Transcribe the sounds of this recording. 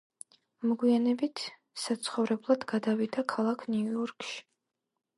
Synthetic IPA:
mɔɡwianɛbit̪ʰ | sat̪sʰχɔvɾɛblˠad̪̥ɡad̪avid̪akʰalˠakʰniuɔɾkʃi̥

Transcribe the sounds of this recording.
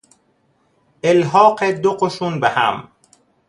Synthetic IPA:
elɦɒːqed̪oqoʃunbehæ̰m

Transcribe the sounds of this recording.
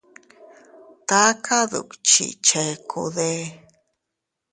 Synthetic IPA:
t̪akʰaðṵkt͡ʃḭt͡ʃekʰṵðe

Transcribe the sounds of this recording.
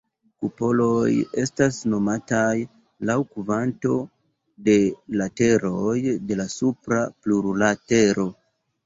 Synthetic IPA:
kupo̞lo̞je̞stasno̞mataj | lawkuvanto̞ | de̞late̞ɾo̞jde̞lasupɾapluɾlate̞ɾo̞

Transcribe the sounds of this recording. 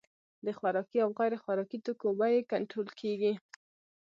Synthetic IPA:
d̪əxwaɾɑkiawɣajɾexwaɾɑkit̪əkobajekaɳʈɾolkʰeɡi

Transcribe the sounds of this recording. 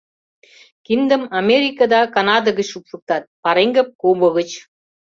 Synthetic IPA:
kind̪ə̆mɑmʲeɾʲikɑd̪ɑkɑnɑd̪əɣət͡ɕupʃə̆k̚t̪ɑt̪̚pɑɾeŋɡəp̚koβɤ̆ɣə̆t͡ɕ

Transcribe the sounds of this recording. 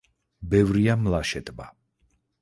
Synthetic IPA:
bɛvɾiamlaʃɛt̪ʼba̰

